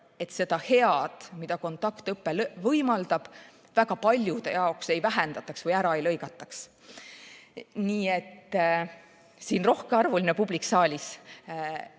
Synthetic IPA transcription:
e̞t̪se̞d̪̥ɑhe̞ɑd̪̥mid̪ɑko̞nt̪ːˑɑkt̪ɤpːe̞lvɤjmɑld̪ɑb̥ | væɡ̥ɑpɑlʲjud̪̥ejɑo̞kse̞jvæɦɛnd̪̥ɑt̪ːˑɑksvɤjæɾɑejlɤ̞jɡɑt̪ːˑɑks | niːe̞t̪ː | siːnro̞hkeɑrvulʲinepubliksɑːlʲis

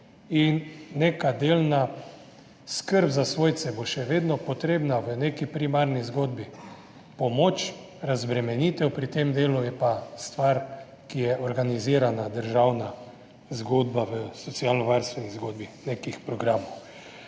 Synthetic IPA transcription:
inːeːkad̪elna | skəɾbzasʋoːjt̪sɛboʃɛʋeːd̪nɔpɔt̪ɾeːbnaʋənekipɾimaɾnizɡoːd̪bi | pɔmoːt͡ʃ | ɾazbɾɛmɛniːt̪ɛwpɾit̪emd̪eːlujɛpast̪ʋaɾ | kijɛʔɔɾɡaniziːɾanad̪əɾʒawna | zɡod̪baʋəsɔt̪sialnɔʋaɾst̪ʋɛnizɡoːd̪binekixpɾɔɡɾaːmɔw

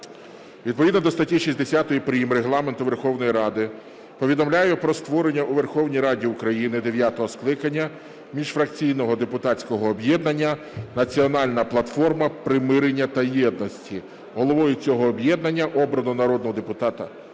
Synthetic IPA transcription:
ʋʲid̪̚pɔʋʲid̪nɔd̪ɔst̪ɐtʲːiʃisʲd̪esʲat̪ɔjipɾɪjimɾeɦlˠɑment̪ʊʋerxɔwnɔjiɾɑd̪ɪ | pɔʋʲid̪ɔmlʲajʊpɾɔst̪ʋɔɾenʲːɐʔuʋerxɔwnʲijɾɑdʲiʊkɾɐjinɪd̪eʋʲjat̪ɔɦɔsklˠɪkɐnʲːɐ | mʲiʒfɾɐkt͡sʲijnɔɦɔd̪epʊt̪ɑt͡sʲkɔɦɔːbjɛd̪nɐnʲːɐ | nɐt͡sʲiɔnɑlʲnɐplˠɐt̪fɔrmɐpɾɪmɪɾenʲːɐt̪ɐjɛd̪nɔsʲtʲi | ɦɔlˠɔʋɔjʊt͡sʲɔɦɔːbjɛd̪nɐnʲːɐʔɔbɾɐnʊnɐɾɔd̪̚nɔɦɔd̪epʊt̪ɑt̪ɐ

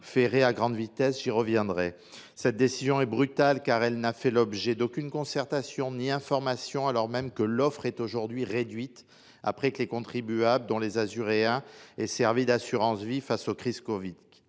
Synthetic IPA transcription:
feʁeaɡʁɑ̃d̪vit̪ɛsʒiʁəvjɛ̃d̪ʁɛ | sɛt̪̚d̪esizjɔ̃ɛbʁyt̪alkaʁɛlnafɛlɔbʒɛd̪okʲynkɔ̃sɛʁt̪asjɔ̃niɛ̃fɔʁmasjɔ̃alɔʁmɛmkəlɔfχɛt̪oʒuʁd̪ɥiʁed̪ɥit̪ | a̰pχɛkəlekɔ̃t̪χibyabld̪ɔ̃lezazyʁeɛ̃ɛsɛʁvid̪asyʁɑ̃svifasokχizkɔvik

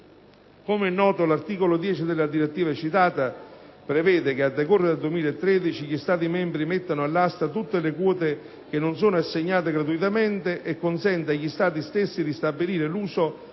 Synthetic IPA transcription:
komɛnːɔːt̪olart̪iːkolod̪jɛːt͡ʃid̪elːad̪iɾet̪ːiːvat͡ʃit̪aːt̪apɾevɛːd̪ɪk̟ead̪ːekɔrːed̪ad̪uemiːlaet̪ːɾɛːd̪it͡ʃiʎist̪aːt̪̬imɛmbɾimet̪ːanʊalːast̪at̪ut̪ːelekwɔːt̪e | k̟enːʊnsoːnoasːeɲːaːt̪̬eɡɾat̪̬uit̪ament̪eʔɛkːonsɛnt̪aʎist̪aːt̪̬ist̪esːid̪ist̪abːiliːɾeluːso

